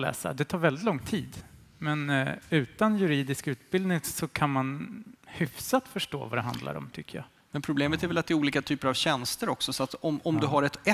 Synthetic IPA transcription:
lɛ̰ːsa̰d̪ɛt̪ʰɑːɾvɛld̪ɪt̪lɔŋːt̪ʰiːd̪ | mɛnʉ̟ːt̪anjɵɾiːd̪ɪskʉ̟ːt̪bɪld̪nɪŋsɔkʰanmanhʏfsat̪fœʂʈo̰ːvad̪ɛɦa̰nd̪la̰ɾɔ̰mt̪ʰʏkːəjɑ̰ː | mɛnpʰɾʊbleːmət̪æɾvɛlat̪̚d̪ɛɾuːliːkat̪ʰyːpəɾavɕɛnst̪əɾɔksɔsɔat̪ɔmɔmd̪ɵɦaɾɛt̪ɛ

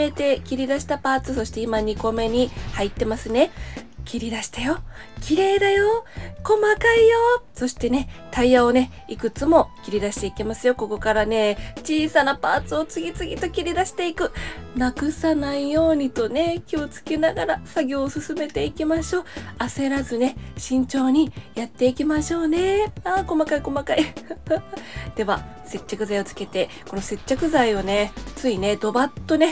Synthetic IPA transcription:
e̞t̪e̞kʲiɾʲid̪aɕi̥t̪apaːt͡sɨso̞ɕi̥t̪e̞imaɲ̟iko̞me̞ɲ̟ihait̪ːe̞masɨne̞kʲiɾʲid̪aɕi̥t̪ajo̞ | kʲiɾe̞ːd̪ajo̞ko̞makaijo̞so̞ɕi̥t̪e̞ne̞t̪ʰaiao̞ne̞ | ikɯ̟t͡sɨmo̞kʲiɾʲid̪aɕi̥t̪e̞ikʲimasɨjo̞ko̞ko̞kaɾane̞t͡ɕiːsanapaːt͡sɨo̞t͡sɨɡʲit͡sɨɡʲit̪o̞kʲiɾʲid̪aɕi̥t̪e̞ikɯ̟nakɯ̟sanaijo̞ːɲ̟it̪o̞ne̞kʲio̞t͡sɨ̥kenaɡaɾasaɡʲo̞ːsɨsɨme̞t̪e̞ikʲimaɕo̞ːase̞ɾazɨne̞ɕĩɲ̟t͡ɕo̞ːɲ̟ijat̪ːe̞ikʲimaɕo̞ːne̞aːko̞makaiko̞makai | d̪̥e̞βase̞t͡ɕːakɯ̟zaio̞t͡sɨ̥ke̞t̪e̞ | ko̞no̞se̞t͡ɕːakɯ̟zaio̞ne̞t͡sɨine̞d̪o̞bat̪ːo̞ne̞

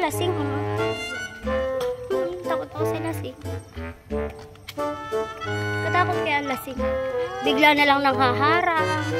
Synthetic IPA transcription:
lɐsɪŋ | t̪aːkot̪̚poksɪnasɪŋ | mɐt̪aːkot̪̚kɐjaʔːŋlɐsɪŋbɪɡlanɐlaŋnɐŋɦaɦaːɾaʔ

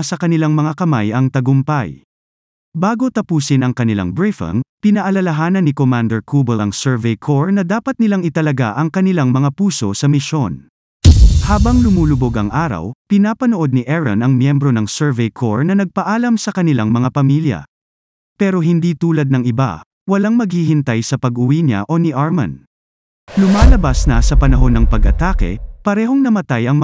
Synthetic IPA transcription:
sɐkɐnɪlaŋmɐŋakɐmajɐŋt̪ɐɡʊmpɐ̰j | baːɡo̞t̪ɐpuːsɪnɐŋkɐnɪla̰ŋbɹɪfɐ̰npɪnɐʔɐlɐlɐɦaːnɐnːɪkomand̪ɛɹkʰuːbɛɐŋsɛɹvɛjkʰoɹnɐd̪aːpɐt̪̚nɪlaŋɪt̪ɐlɐɡa̰ʔɐŋkɐnɪlaŋmɐŋapuːso̞̰sɐmɪʃo̞n | haːbɐŋlʊmuːlʊbo̞ɡɐŋʔaːɾɐ̰wpɪnaːpɐnoʔo̞d̪̚nɪʔɛɹɐ̰nɐŋmjɛmbɾo̞nɐŋsɛɹvɛjkʰoɹnɐnɐɡ̚pɐʔaːlɐmsɐkɐnɪlaŋmɐŋapɐmiljɐ̰ | pɛːɾo̞ɦɪnd̪iːt̪uːlɐd̪̚nɐŋɪba̰ | wɐlaŋmɐɡ̚hiɦɪnt̪ajsɐpɐɡʊwiɲa̰ʔo̞nɪʔaɹmɐ̰n | lʊmaːlɐbasnɐsɐpɐnɐɦo̞nːɐŋpɐɡʔɐ̰t̪aːkɛ̰pɐɾɛːɦo̞ŋnɐmɐt̪ajɐŋmɐ

